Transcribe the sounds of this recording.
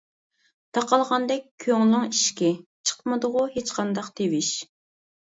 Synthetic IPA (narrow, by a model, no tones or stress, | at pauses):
t̪ʰɑqɑlˠʁɑnd̪ɛk̚ʲʰːøŋlɨŋiʃkʲɛt͡ʃʰə̥qmɨd̪ʊʁʊhet͡ʃqʰɑnd̪ɑqt̪ʰewiʃ